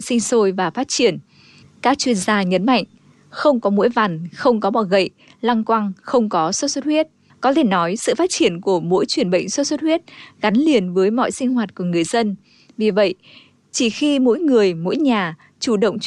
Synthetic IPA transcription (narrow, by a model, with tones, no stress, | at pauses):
sï˧ŋ̟so˧jvaː˨˩faː˦˥t̚t͡ɕi˧˩ən | kaː˦˥k̚t͡ɕwi˧ənzaː˧ɲə˨˦nma̰˧˨jŋ̟ | xə˧wŋ͡mkɔ˨˦mo̰˧˥jva˨˩nxə˧wŋ͡mkɔ˨˦ɓaː˨˩wɣə̰˧˨j | la˧ŋkwa˧ŋxə˧wŋ͡mkɔ˨˦so˦˥t̚so˦˥t̚hwi˦˥ət̚ | kɔ˨˦t̪ʰe˧˩nɔ˨˦jsɨ̰˧˨faː˦˥t̚t͡ɕi˧˩ənku˧˩əmo̰˧˥jt͡ɕwi˧˩ənɓə̰˧˨jŋso˦˥t̚so˦˥t̚hwi˦˥ət̚ɣa˨˦jŋli˨˩ənvəː˨˦jmɔ̰˧˨jsï˧ŋ̟hɦwaː˨˩t̚ku˧˩əŋɨ˨˩əjzə˧n | vi˨˩və̰˧˨j | t͡ɕi˧˩xi˧mo̰˧˥jŋɨ˨˩əjmo̰˧˥jɲaː˨˩ | t͡ɕu˧˩ɗə̰˧˨wŋ͡m